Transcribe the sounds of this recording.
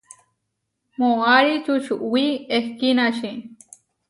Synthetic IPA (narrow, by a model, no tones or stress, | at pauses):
moaɾit͡ʃuʃuʔwiehkinaʃĩ